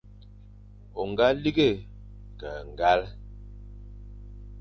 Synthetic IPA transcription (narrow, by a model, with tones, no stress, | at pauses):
o˨ŋ˨ɡa˦li˦ɡe˦˨ | ka˨ŋ˨ɡa˦l